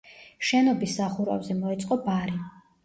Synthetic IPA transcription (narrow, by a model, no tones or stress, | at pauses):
ʃɛnɔbisːaχuɾa̰vzɛmɔɛt̪sʼqʼɔbaɾi